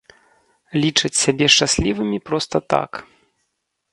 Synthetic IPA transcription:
lʲit͡ʂɨt͡sʲsʲabʲɛʂt͡ʂasʲlʲivɨmʲipɾɔst̪ɐt̪a̰k

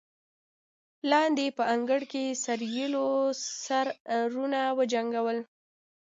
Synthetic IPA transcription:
lɑnd̪epəaŋɡəɽkesaɾjilosaɾɾunawəd͡ʒaŋɡawəl

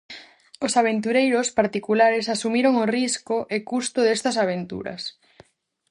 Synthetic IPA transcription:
osaβ̞ent̪uɾejɾospaɾt̪ikulaɾesasumiɾoŋoriskoʔekust̪oðest̪ɐsaβ̞ent̪ṵɾɐ̰s

